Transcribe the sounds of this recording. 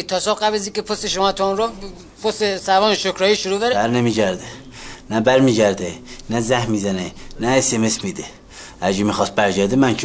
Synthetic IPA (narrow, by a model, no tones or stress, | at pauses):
t̪ʰɒsɔbɢæblæziːkʲepʰost̪eʃomɒːt̪ʰɔunɾɔ | pʰost̪esævɒːnʃokɾɒːjiːʃoɾuːbæɾbæɾnemiɟæɾd̪e | næbæɾmiːɡæɾd̪enæzæhmːizænenæesemesmid̪e | æd͡ʒimixɑst̪̚bæɾd͡ʒæd̪emænkʰ